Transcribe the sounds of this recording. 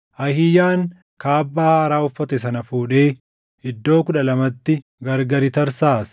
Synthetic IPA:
ʔɐhɪjaːŋ | kaːbːaːhɐɾaːʊfːɐt̪ɛs̬ɐnɐfuːᶑe̞ː | ɪd̪ːo̞ːkʊᶑɐlɐmɐt̪ːɪ | ɡɐɾɡɐɾɪt̪ɐɾsaːs

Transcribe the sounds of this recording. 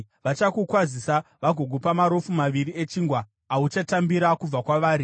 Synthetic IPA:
ʋat͡ʃakukwazisaʋaɡʱo̞ɡʱopamaɾo̞fumaʋiɾie̞t͡ʃiːŋɡwaː | ut͡ʃatambiɾakub͡vakwaʋaːɾi

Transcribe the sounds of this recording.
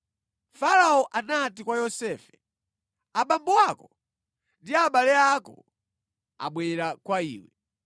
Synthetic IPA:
faɾaɔʔanatikwajɔsɛfɛ̥ | aɓambuwakɔ | ndiaɓalɛakɔ̰ | a̰ɓwɛɾakwaḭːwɛ

